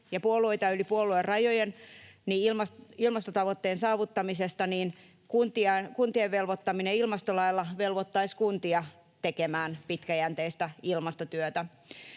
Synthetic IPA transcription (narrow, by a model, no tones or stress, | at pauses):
jɑpuolˑuoit̪ɑylipuoluerɑjojenniilmɑsilmɑst̪ot̪ɑʋot̪ːeːnsɑːʋut̪ːɑmisest̪ɑniːn | kunt̪iɑkunt̪ieʋʋelʋot̪ːɑmineilmɑst̪olɑilːɑʋelʋot̪ːɑiskunt̪iɑ | t̪ekemæːnpit̪kæjænt̪eist̪æilmɑst̪ot̪yøt̪æ